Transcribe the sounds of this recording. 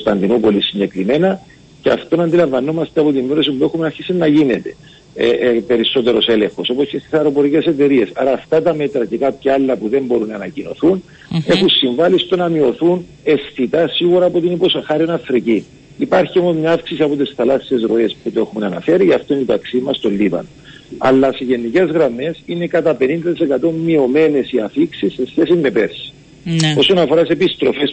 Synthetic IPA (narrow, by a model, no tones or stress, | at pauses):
st̪ɐnd̪inupo̞lisːiɲɟe̞kɾime̞nɐ | ceɐ̰ft̪o̞nɐnd̪ilɐɱvɐno̞mɐst̪eɐpo̞t̪imːeɾos̬impuexumenɐɾçisinːɐʝinet̪e̞̥ | ḛpe̞ɾiso̞t̪e̞ɾo̞se̞le̞xo̞so̞poscest̪isɐɾo̞po̞ɾicese̞t̪e̞ɾie̞sɐɾɐːft̪ɐt̪ɐme̞t̪ɾɐcekapçɐɐlːɐpuðe̞mbo̞ɾunːɐːnɐcino̞̰θun | e̞xunsiɱvɐlist̪o̞nɐmio̞θun | e̞sθit̪ɐsiɣuɾɐːpot̪iniposxɐɾionɐfɾici | ipɐɾçio̞mo̞zmɲɐafksisiɐpo̞t̪isθɐlɐsːie̞zɾo̞e̞sput̪oe̞xunɐnɐ̰feɾiɐft̪oinit̪ɐksimɐst̪o̞lːivɐ̰noɐ̰lːɐseʝe̞nːice̞zɣɾɐme̞sine̞kɐt̪ɐpe̞nind̪ɐt̪isekɐt̪o̞mːio̞me̞ne̞siɐfiksisːe̞sçe̞simːe̞pe̞ɾsi̥ | o̞sonɐfo̞ɾɐsepist̪ɾo̞fe̞s